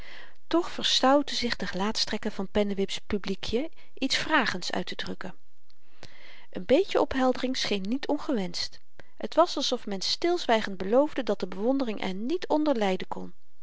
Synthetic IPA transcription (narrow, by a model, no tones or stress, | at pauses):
tɔχfəɹstɑwtəzɪχdəχəlaːtstrɛkəvɑnpɛnəʋɪpspyblikʰjə | ʔitsfraːχəntsœ̰ɥtədrɵkə | ʔənbejcəʔɔpɦɛlˠdərɪŋsχejnːitʰɔnχəʋɛnst | ɦətʋɑsɑlˠsɔfmɛnstɪlˠzʋɛjχəntd̚bəlowvdədɑt̚dəbəʋɔndərɪŋʔɛ̰ɹnitʰɔndəɹlɛjdəkɔn